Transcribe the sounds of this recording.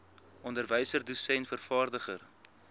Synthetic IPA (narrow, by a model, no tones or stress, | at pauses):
ɔndərvəjsərdusɛnfərfɑːrdəχə̰r